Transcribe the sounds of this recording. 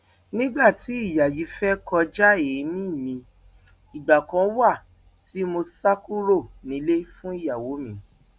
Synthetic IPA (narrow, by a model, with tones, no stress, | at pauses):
nĩ˦ɡ͡ba˦˨tʰi˨˦i˦˨ja˨ji˨˦fɛ˦kɔ˧d͡ʒa˦e˨˦mĩ˦˨mĩ˧ | i˨ɡ͡ba˨kã˧˦wa˦˨ | ti˨˦mo˧sa˦ku˦ɾo˦˨nĩ˨˧˦le˦fũ˦i˦˨ja˨wo˨˦mĩ˧˦